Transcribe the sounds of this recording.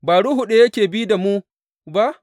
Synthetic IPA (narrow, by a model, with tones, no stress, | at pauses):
baː˨ɽu˦ɦu˨ɗe˦jɐ˦kʲeː˨bi˦da˨mu˦ | ba˦ʔ